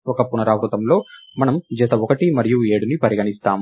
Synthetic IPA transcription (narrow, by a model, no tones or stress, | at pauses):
ɔkɐpunɐɾaːʋɾut̪ɐmlo̞ːmɐnɐmd͡ʒɐt̪ɐɔkɐʈimɐɾijueːɽunipɐɾiɡɐnist̪aːm